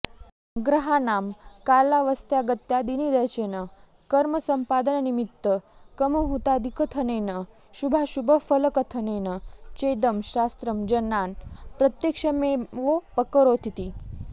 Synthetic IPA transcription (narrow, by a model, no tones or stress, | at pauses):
ɡɾɐɦanaːmkaːlaʋəst̪jaɡət̪jad̪inid̪əjt͡ɕenə | kəɾməsəmpaːd̪ənnimit̪ːəkəmuɦut̪ad̪ʱikət̪ʰəneːnə | ʃubʱaʃubʱəfələkət̪ʰənenət͡ɕed̪əmɕast̪ɾəmd͡ʑɐnːaːnpɾɐt̪jəkʂəmeʋopəkəɾot̪ʰit̪i